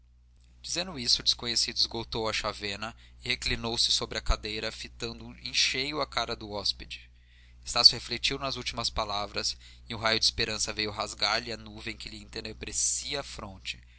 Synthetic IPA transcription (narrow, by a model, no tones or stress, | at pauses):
d͡ʒizẽnd̪ʊisʊd͡ʒɪskõɲesid̪ʊizɡot̪owɐʃavẽnɐɪheklinowsɪ̥sobɾɪɐkad̪ejɾɐfit̪ɐ̃nd̪ʊẽʃejʊɐkaɾɐd̪ʊɔsped͡ʒɪ | est̪asʊheflet͡ʃiwnɐzuwt͡ʃimɐspalavɾɐs | ɪʊɦajʊd͡ʒɪispeɾɐ̃sɐvejʊɦazɡaɾlɪɐnuvẽẽkɪlɪẽt̪enebɾesiɐːfɾõnt͡ʃɪ̥